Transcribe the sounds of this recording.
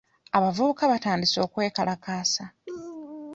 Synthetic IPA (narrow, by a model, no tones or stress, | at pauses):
aβavuβukaβataːndiso̞ːkwe̞ːkalakaːsa